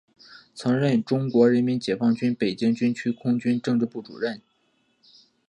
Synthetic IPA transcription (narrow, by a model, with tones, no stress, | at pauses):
t͡sʰɤ˧˥ŋɻə˥˩nʈ͡ʂʊ˥ŋkwɔ˧˥ɻə˧˥nmi˧˥nt͡ɕjɛ˨˩fɑ˥˩ŋt͡ɕy˥npe˨˩ɪt͡ɕi˥ŋt͡ɕy˥nt͡ɕʰy˥kʰʊ˥ŋt͡ɕy˥nʈ͡ʂɤ˥˧ŋʈ͡ʂɻ̩˥˧pu˥˩ʈ͡ʂṵ˨˩ɻə˥˩n